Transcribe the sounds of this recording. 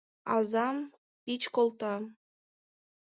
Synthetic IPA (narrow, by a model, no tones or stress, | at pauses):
ɑzɑm | pʲit͡ɕkolˠt̪ɑ